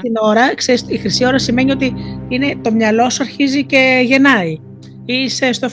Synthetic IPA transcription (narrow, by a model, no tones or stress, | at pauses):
t̪ino̞ɾɐkseɾisixɾisio̞ɾɐsime̞nio̞t̪iine̞t̪o̞mɲɐlo̞suɐɾçizice̞ʝe̞nɐi | isest̪of